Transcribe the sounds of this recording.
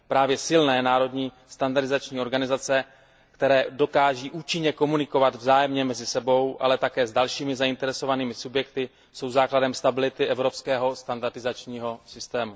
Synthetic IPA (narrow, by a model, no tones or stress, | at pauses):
pɾaːvjɛsɪlnɛːnaːɾo̞dɲiː | st̪andaɾdɪzat͡ʃɲiːo̞ɾɡanɪzat͡sɛ | kt̪ɛɾɛːdo̞kaːʒiːʔuːt͡ʃɪɲɛko̞munɪko̞vad̪vzaːjɛmɲɛmɛzɪsɛbo̞wʔa̰lɛt̪akɛːzdalʃiːmɪzaɪnt̪ɛɾɛso̞vaniːmɪsubjɛkt̪ɪ | so̞wzaːkladɛmst̪abɪlɪt̪ɪʔɛvɾo̞pskɛːɦo̞st̪andaɾdɪzat͡ʃɲiːɦo̞sɪst̪ɛːmu